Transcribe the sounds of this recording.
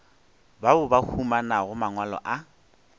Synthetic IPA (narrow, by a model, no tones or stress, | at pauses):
babʊbahʰumanaɣʊmaŋwalɔ̰ʔa